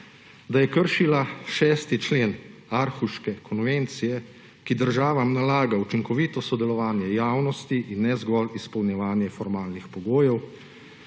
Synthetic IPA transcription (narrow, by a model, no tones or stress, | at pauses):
d̪ajɛkəɾʃilaʃɛːst̪it͡ʃleːnaɾxuʃkɛkʰɔnʋent̪sijɛ | kid̪əɾʒaːʋamnalaːɡaut͡ʃiŋkɔʋit̪ɔsɔd̪ɛlɔʋaːnjɛjaːwnɔst̪iʔinːɛzɡɔlispɔwnjɛʋaːnjɛfɔɾmaːlnixpɔɡoːjɛw